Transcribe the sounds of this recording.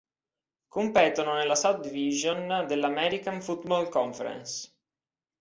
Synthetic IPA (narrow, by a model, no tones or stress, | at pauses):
kompɛːt̪ononelasad̪iviʒond̪elːamɛɾikanfut̪bɔlkɔɱfɛ̰ɾɛ̰ns